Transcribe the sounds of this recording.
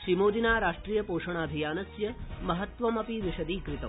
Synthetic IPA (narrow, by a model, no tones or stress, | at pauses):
ʃɾimoːd̪inaːɾaːʂʈɾijəpoːʃɐɳ̃aːd̪ʱijaːnɐsjɐmɐɦɐt̪ʋɐmɐpiʋɪʃɐd̪iːkɾɪt̪ɐ̰